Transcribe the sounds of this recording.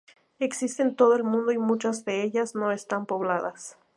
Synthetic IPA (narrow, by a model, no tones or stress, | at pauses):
e̞ksist̪e̞nt̪o̞ðoelmũnd̪o̞imũt͡ʃazðe̞eʎasno̞e̞st̪ampoβlaða̰s